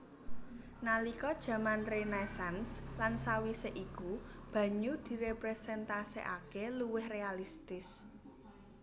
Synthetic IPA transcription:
nalikɔd̥ʒ̥ä̤manrenajsanslansawiseʔikub̥ä̤ɲud̪̥i̤ɾepɾesɛnt̪asḛʔa̰keluwɪhrealist̪ɪs

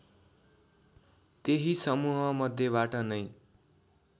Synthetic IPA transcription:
t̪eɦisʌmuɦʌmʌd̪ʱːjeβaʈʌnʌj

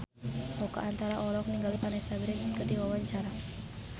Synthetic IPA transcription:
ɔkaʔant̪aɾaʔɔlɔk̚niŋɡalipanasabɾɛnsə̥kədiwawaɲt͡ʃaɾa

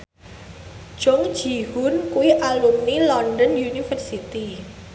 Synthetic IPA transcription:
ʒ̥ɔŋ̥ʒ̥i̤hʊnkuwiʔalumnilɔndənjunifərsit̪i

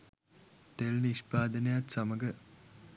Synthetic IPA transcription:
t̪elniʃpaːd̪ənejat̪samɐɡə

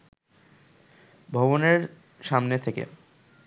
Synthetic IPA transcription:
bʱɔboneɾ | ʃamnet̪ʰekḛ

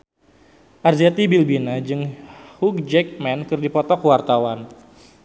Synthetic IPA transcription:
ʔarzat̪ibilbinad͡ʒɨŋhuk̚d͡ʒɛk̚mɛnkɨrdipɔt̪ɔkwart̪awan

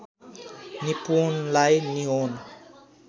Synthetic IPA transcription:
nipunlajniɦona

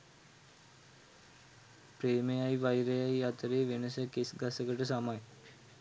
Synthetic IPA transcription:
pɾeːmejajʋajɾejajat̪əɾeːʋenəsəkesɡasəkəʈəsamaj

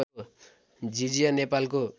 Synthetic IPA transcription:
d͡ʒid͡ʒijanepalko

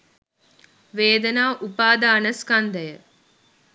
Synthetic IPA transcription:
ʋeːd̪ənaːʔupaːd̪aːnəskand̪əjə

